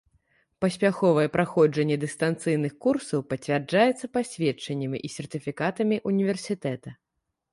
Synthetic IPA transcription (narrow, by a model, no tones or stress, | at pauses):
pɐsʲpʲaxɔvɐjɛpɾaxɔd͡ʐɐnʲːɛd̪ɨst̪ant̪sɨjnɨxkursɐwpɐt͡sʲvʲard͡ʐajɛt̪sːɐpasʲvʲɛt͡ʂːɐnʲːɐmʲiʔisʲɛrt̪ɨfʲikat̪ɐmʲiʔunʲivʲɛrsʲit̪ɛt̪ɐ